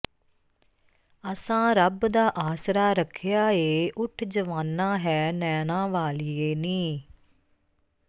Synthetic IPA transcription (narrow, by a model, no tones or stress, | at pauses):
əsãːɾəbd̪aːʔaːsɾaːɾəkʰɪjaːeːʊʈʰd͡ʒəʋaːnːãːɦɛːnɛːnãːʋaːlieːniː